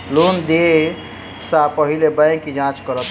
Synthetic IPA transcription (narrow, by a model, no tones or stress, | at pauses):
lond̪e | sapəɦilebəj̃kid͡ʒãt͡ʃkəɾət̪